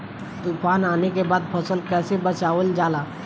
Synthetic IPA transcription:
t̪upaːnaːnek̬ebaːd̪̚pʰəsəlkɛːsebət͡ʃaːʋəld͡ʒaːlaː

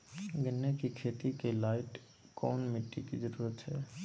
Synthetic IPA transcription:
ɡənːekikʰeːt̪ikelaːɪʈ | kɔːnmɪʈːikid͡ʒəɾuːɾət̪hɛː

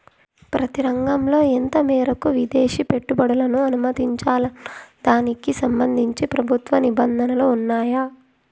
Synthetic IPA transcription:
pɾɐt̪iɾɐŋɡɐmlo̞ːent̪ɐmɛːɾɐkuʋid̪eːʃipe̞ʈːubɐɽɐlɐnuɐnumɐt̪iɲt͡ʃaːlɐd̪aːnikisɐmbɐnd̪ʱiɲt͡ʃipɾɐbʱut̪ʋɐnibɐnd̪ʱɐnɐluːnːaːja

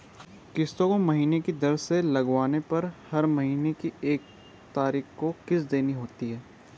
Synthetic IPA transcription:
kɪst̪õkomɐɦiːnekid̪ɐɾselɐɡʋaːnepɐɾhɐɾmɐɦiːnekieːk̚ | t̪aːɾiːxkokɪsd̪eːniɦoːt̪iɦɛː

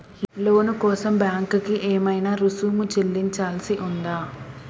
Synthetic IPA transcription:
lo̞ːnukɔːsɐmbjaːŋkukiʔeːmɐjnaːɾusuːmut͡ʃelːiɲt͡ʃaːlsiʔund̪aː

